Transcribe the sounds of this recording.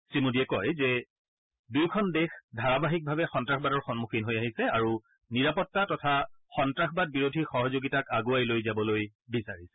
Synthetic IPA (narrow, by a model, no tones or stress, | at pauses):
sɹimudiɛkɔjzɛ | dujkʰɔndexdʱaɹabaɦik̚bʱabɛxɔntɹaxʰbadɔɹxɔnmukʰinɦojaɦisɛaɹu | niɹapɔtːatɔtʰaxɔntɹaxbad̚biɹodʱixɔɦɔzoɡitakaɡuajlojzabɔlojbisaɹisɛ̥